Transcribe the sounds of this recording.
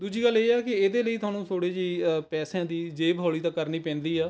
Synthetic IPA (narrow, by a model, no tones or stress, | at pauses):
d̪uːd͡ʒiːɡəlːeːɛːkɪeːd̪eːləiːt̪ʊwaːnũːt̪ʰoːɽeːd͡ʒiːpɛːsjãːd̪iːd͡ʒeːbʱɦoːɭiːt̪ãːkəɾniːpɛ̃ːnd̪iːaː